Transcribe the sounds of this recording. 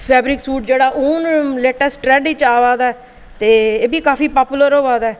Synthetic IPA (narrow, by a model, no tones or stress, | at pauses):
pʰɛːbɾɪksuːʈ̚d͡ʒeːɽaːʔoːnleːʈəsʈɾɛːɖiːt͡ʃaːʋaːd̪aːɛː | t̪eːeːbiːkaːfiːpaːpuləɾoːʋaːd̪aːɛː